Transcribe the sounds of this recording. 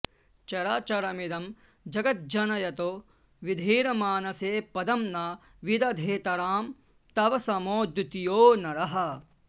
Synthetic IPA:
t͡ʃɐɾaːt͡ʃɐɾɐmid̪ɐm | d͡ʒɐɡɐt̪̚d͡ʒɐnɐjɐt̪oː | ʋid̪ʱiːɾɐmaːnɐseːpɐd̪ɐmnɐ | ʋid̪ɐd̪ʱeːt̪ɐɾaːm | t̪ɐʋɐsɐmoːd̪ut̪ijoːnɐɾɐɦɐ̆

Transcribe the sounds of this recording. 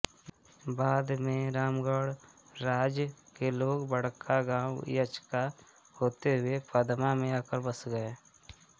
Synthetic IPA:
baːd̪mẽɾaːmɡəɽ | ɾaːd͡ʒjkeloːɡbəɽ̤kʰaɡãːw̰jət͡ʃka | hoːt̪eɦʊepəd̪mamẽaːkəɾbəsɡəeː

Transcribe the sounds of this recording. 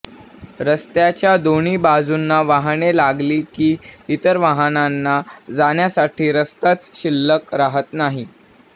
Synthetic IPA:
ɾəst̪jat͡ɕjad̪oɳ̃iːbad͡zunːaʋaɦɳelaɡliːkiːit̪əɾʋaɦənanːad͡zaɳjasaʈʰiːɾəst̪at͡sɕilːəkɾaɦət̪naɦi

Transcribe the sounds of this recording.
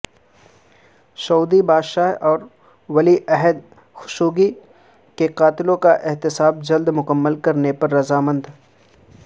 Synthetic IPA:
ʃɐud̪ibaːd̪ʃaːɦɔːɾ | wɐliʔɛɦəd̪ | xʊ̥ʃuːɡi | keqaːt̪ɪlõkaʔɪɦt̪ɪsaːb̚d͡ʒɐld̪mʊkəmːəlkɐɾnepɐɾːɐzaːmə̃nd̪

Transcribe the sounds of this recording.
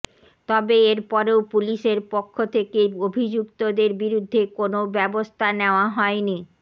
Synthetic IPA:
t̪ɔbeeɾpɔɾeopuliʃeɾpokʰːot̪ʰekeobʱid͡ʑukt̪od̪eɾbiɾud̪ʱːekonobɛbost̪ʰaneoaɦɔeni

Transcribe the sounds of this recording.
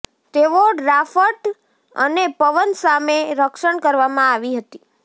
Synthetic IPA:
t̪eʋoɖɾafəʈ | ə̰nepəʋənsameɾəkʃəɳkəɾʋamãaʋiɦət̪i

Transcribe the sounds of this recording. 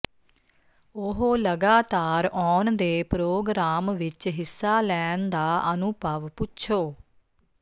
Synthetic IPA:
ʊɦoːləɡaːt̪aːɾɔːnd̪eːpɾoːɡɾaːmʋɪt͡ʃɦɪsːaːlɛːnd̪aːənupəʋpʊtːʃʰoː

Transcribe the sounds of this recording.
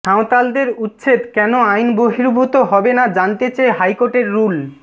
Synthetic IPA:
aõt̪ald̪eɾut̪ːɕʰet̪kɛnoajnboɦiɾbʱut̪oɦɔbenad͡ʑant̪et͡ɕaeɦajkoʈeɾːul

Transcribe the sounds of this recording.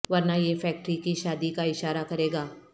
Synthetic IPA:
ʋɐɾnajefɛːk̚ʈɾikiʃaːd̪ikaɪʃaːɾakɐɾeːɡaː

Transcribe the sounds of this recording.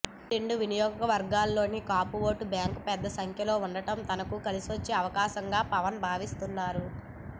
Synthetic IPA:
ɾeɳɖuʋinijɔːɡɐkɐʋɐɾɡaːlːo̞ːnikaːpuʋo̞ːʈubjaːŋkpɛd̪ːɐsɐŋkʰjɐlo̞ːuɳɖɐʈɐmt̪ɐnɐkukɐlisiʋɐt͡ʃːeːɐʋɐkaːʃɐŋɡaːpɐʋɐnbʱaːʋist̪unːaːɾu

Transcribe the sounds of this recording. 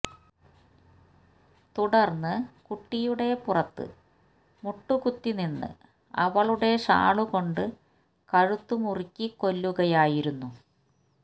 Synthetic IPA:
t̪uɽɐrnːɨkuʈːijuɽe̞purɐt̪ːɨ̰ | muʈːukut̪ːininːɨ̰ | ɐ̰ʋɐɭuɽe̞ʂa̰ːɭuko̞ɳɖɨ | kɐɻut̪ːumurikʲːiko̞lːuɣɐjaːjiɾunːu

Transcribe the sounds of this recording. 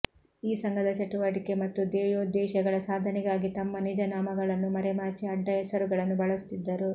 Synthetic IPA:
iːsɐŋɡɐd̪ɐt͡ʃɐʈuʋaːʈike̞mɐt̪ːud̪ɛːjoːd̪ɛːʃɐɡɐɭɐsaːd̪ʱɐniɡaːɡit̪ɐmːɐnid͡ʒɐnaːmɐɡɐɭɐnːumɐɾɛmaːt͡ʃiɐɖːɐjɛsɐɾuɡɐɭɐnːubɐɭɐst̪id̪ːɐɾu

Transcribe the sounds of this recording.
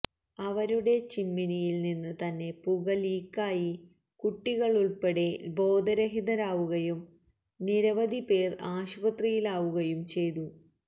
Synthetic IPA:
ɐʋɐɾuɽe̞t͡ɕinminijilninːɨt̪ɐnːe̞puɣɐliːkːaːji | kuʈːiɣɐɭuɭpe̞ɽe̞bo̞ːd̪ɐɾɐɦid̪ɐɾaːʋuɣɐjum | niɾɐʋɐd̪ʱipe̞ːraːɕbɐt̪rijilaːʋuɣɐjumt͡ɕe̞jt̪u

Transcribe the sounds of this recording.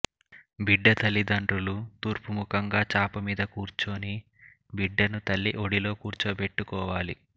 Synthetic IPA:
biɖːɐt̪ɐlːid̪ɐɳʈɾulut̪uːɾpumukɐŋɡaːt͡ʃaːpɐmiːd̪ɐkuːɾt͡ʃoːni | biɖːɐnut̪ɐlːiʔoɽilo̞ːkuːɾt͡ʃoːpeʈːukɔːʋaːlḭ

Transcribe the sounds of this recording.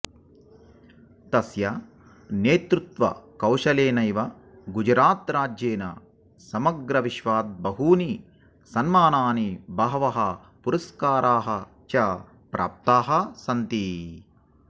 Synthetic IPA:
t̪ɐsjɐ | neːt̪ɾut̪ʋɐ̰kɐwʃɐleːnɐjʋɐ | ɡud͡ʒɾaːt̪ɾaːd͡ʒjeːnɐ̰ | sɐmɐɡɾɐʋiʃʋaːt̪̚bɐɦuːni | sɐnmaːnaːnibɐɦɐʋɐɦɐ | puɾɐskaːɾaːɦɐ | t͡ʃɐ | pɾʔa̰ːp̚t̪aːɦɐsɐnt̪i

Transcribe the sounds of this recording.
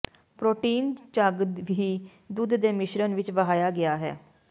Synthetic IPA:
pɾoːʈiːnt͡ʃəɡd̪ʋiː | d̪ʊd̪d̪eːmɪʃɾənʋɪt͡ʃʋəɦaːjaːɡɪaːɦɛ̰ː

